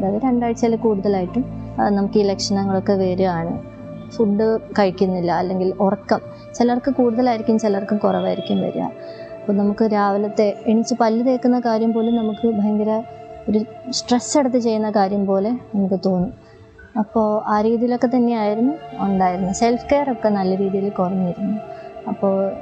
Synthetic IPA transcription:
ðaːðɨɾeɳɖaːjʈːt͡ɕilɐkuːɽuðɐlaːjiʈːumɐnɐmukːiːlekʂɐnɐŋːɐɭo̞kːeʋe̞ːɾuaːɳɨ | fuɖːɨkɐɻikʲːunːilːɐɐlːe̞ŋɡilorɐkːɐm | t͡ɕilɐrkːɨkuːɽuðɐlaːjiɾikʲːumːt͡ɕilɐrkːumkurɐʋaːjiɾikʲːumʋɐ̰ɾṵja̰ | ɐpːoːnɐmukːɨɾaːʋɐlɐt̪ːe̞eɳit͡ɕːɨpɐlːɨðeːkːunːɐkaːɾjɐmpo̞ːlumnɐmukːɨbʱɐjɐŋɡɐɾɐo̞ɾusʈresːe̞ɽɐt̪ːɨt͡ɕe̞jːunːɐkaːɾjɐmpo̞ːle̞nɐmukːɨt̪oːnːu | ɐpːo̞ːʔaːɾiːðijilo̞kːe̞t̪ɐnːe̞jaːjiɾunːuoɳɖaːjiɾunːuse̞lfke̞ːɐrokːe̞nɐlːɐɾiːðijilikurɐɲːijiɾunːuɐpːo̞ːɭ

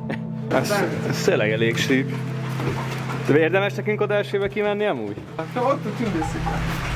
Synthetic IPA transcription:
ɒsst̪eːlːɛ̰ɡɛleːkʃyːp | t̪øeːrd̪ɛmɛʃnɛkyŋkod̪æːʃeːbɛkimɛnːiɒmṵːɟ̥ | ot̪ːotind̪øsika

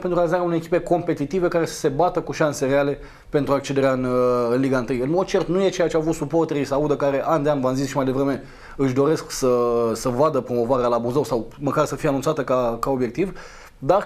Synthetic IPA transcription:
pent̪ɾuoalizaɾeaunejekipe̞ko̞mpe̞t̪it̪ive̞kaɾe̞sə̥se̞bat̪əkuʃanse̞ɾeale̞ | pe̞nt̪ɾuak̚t͡ʃe̞d̪eɾeaɨnɨnliɡaɨnt̪ɨjɨnmod̪̚t͡ʃe̞rt̪nujet͡ʃe̞jat͡ʃeavut̪supo̞rt̪eɾisəaud̪əkaɾe̞ʔand̪eanvanzizʃimajd̪e̞vɾeme̞ | ɨʃd̪o̞ɾe̞sksəsəvad̪əpɾo̞mo̞vaɾealaːbuzəwsawməkarsəfijeanunt̪sat̪əkakao̞bje̞k̚t̪iv | d̪ar

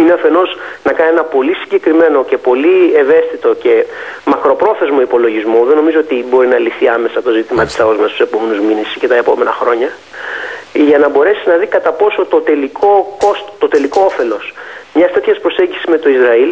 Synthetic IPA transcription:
ineɐfe̞no̞znɐkɐnienɐpo̞lisiɲɟe̞kɾime̞no̞ce̞po̞lieve̞st̪it̪o̞ce̞mɐkɾo̞pɾo̞θe̞zmo̞ipo̞lo̞ʝizmo̞ðe̞no̞mizo̞ot̪ibo̞ɾinɐliθiɐme̞sɐt̪o̞zit̪imɐt̪i̥sɐozmɐst̪use̞po̞me̞nuzminesice̞t̪ɐepo̞me̞nɐxɾo̞ɲɐ | ʝɐnɐbo̞ɾe̞siznɐðikɐt̪ɐpo̞sot̪o̞t̪e̞likʰo̞ko̞st̪o̥t̪ot̪e̞liko̞ofe̞lo̞smɲɐst̪e̞t̪çɐspɾo̞se̞ɲɟisizme̞t̪o̞izɾɐil

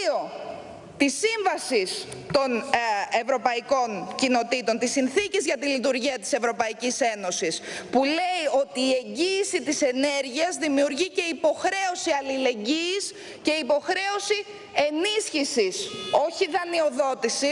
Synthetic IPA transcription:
o̞ | t̪isiɱvɐsis | t̪o̞ne̞vɾo̞pɐiko̞ɲcino̞t̪it̪o̞nt̪isinθicizʝɐt̪ilit̪uɾʝiɐt̪i̥se̞vɾo̞pɐicise̞no̞sispule̞io̞t̪iːe̞ɲɟiːsit̪ise̞ne̞ɾʝiɐzðimiuɾʝice̞ipo̞xɾe̞o̞siɐlile̞ɲɟis | ce̞ipo̞xɾe̞o̞si | e̞nisçisiso̞çiðɐnio̞ðo̞t̪isi

